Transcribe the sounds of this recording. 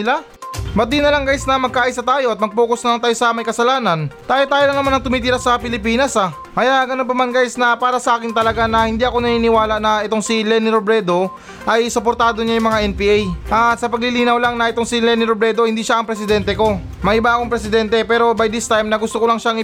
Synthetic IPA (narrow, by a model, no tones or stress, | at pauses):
ɪla | bɐt̪̚d̪inɐlɐŋɡajɪsnɐmɐɡ̚kːaʔaːjisɐt̪aːjo̞ʔɐt̪̚mɐɡ̚poːkosnɐlaŋt̪aːjosɐmɐjkɐsɐlaːnɐnd̪̥aːjɪt̪aːjɪlɐŋnɐmanɐŋt̪ʊmiːt̪iɾasɐpɪlɪpiːnɐsa | kɐjaʔɡɐno̞np̬ɐmanɡaːjɪsnɐpaːɾɐsɐʔaːkɪnt̪ɐlɐɡanɐhɪnd̪iʔɐko̞nɐniːnɪwaːlɐʔnɐʔɛt̪o̞ŋsilɛniɾobɾɛd̪o̞ | ʔɐjsopoɾt̪aːd̪o̞ɲajʊmɐŋaʔɛnpiːʔajʔɐt̪sɐpɐɡ̚lɪliːnɐwlaŋnɐʔɪt̪oŋsilɛnɪɾobɾɛd̪o̞hɪnd̪iːʃaʔɐŋpɾɛsɪd̪ɛnt̪ɛko̞ | mɐʔɪbaʔɐkoŋpɾɛsɪd̪ɛnt̪ɛpɛːɾo̞bɐjd̪ɪst̪ajmnɐɡʊst̪okolɐŋʃaɐŋɪ